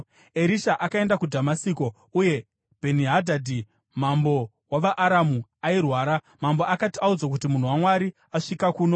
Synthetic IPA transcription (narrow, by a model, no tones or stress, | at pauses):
eɾiʃaʔakae̞ndakudʱamasiko̞ | uje̞ | bʱe̞niɦadʱadʱi | mambo̞ | waʋaʔːɾamuairwaːɾa | mamboakatiaud͡zokutimun̤uwamwaɾi | aʂikakuːno̞